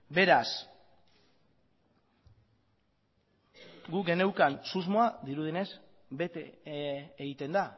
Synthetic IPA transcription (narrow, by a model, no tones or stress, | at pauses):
be̞ɾas | ɡuɡe̞ne̞wkansuzmoaðiɾuðine̞s | be̞t̪ḛ | eɣit̪e̞nd̪a